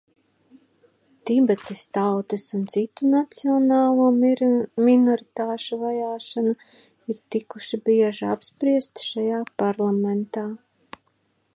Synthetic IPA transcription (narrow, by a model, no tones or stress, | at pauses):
t̪ibɛt̪est̪awt̪esunt̪sit̪unat̪siɔnaːlˠuɔminɔɾit̪aːʃuvajaːʃanu | iɾt̪ikuʃibiɛʒia̰pspɾiɛst̪ʃajaːpaɾlˠament̪aː